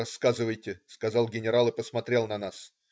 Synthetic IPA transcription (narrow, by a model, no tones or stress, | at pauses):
ɐsːkazɨvəjtʲɪskɐzɑlˠɡʲɪnʲɪɾalˠɨpəsmɐt̪ɾʲe̞lˠnɐnas